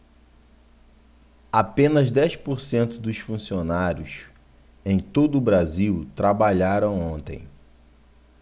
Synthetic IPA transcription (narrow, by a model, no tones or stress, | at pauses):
apẽnɐzd̪ɛjʃpoɾsẽnt̪ʊd̪ʊʃfũsionaɾjʊs | ẽj̃t̪od̪ʊːbɾaziwt̪ɾabaʎaɾɐ̃w̃õnt̪ḛ̃j̃